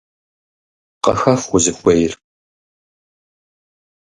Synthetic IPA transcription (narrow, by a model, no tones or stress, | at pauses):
qɐ̰xɐfχʷʊzɨkʷʼɔjɪr